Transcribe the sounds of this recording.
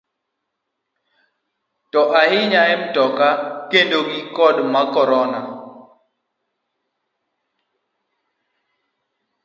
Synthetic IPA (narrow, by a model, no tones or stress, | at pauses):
tɔʔahɪɲaɛm̩tɔkakendoɡikɔdmakɔɾɔna